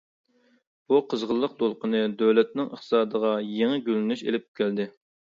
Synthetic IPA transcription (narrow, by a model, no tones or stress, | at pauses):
b̥uqʰəzʁəlˠːəq̚d̪olˠqənɨd̪øwlɛt̪̚nɪŋə̰χt̪ʰɨ̥sɑːd̪əʁɑjeŋɪɡʲølɪnyʃḛlɪp̚kʲʰæld̪ɪ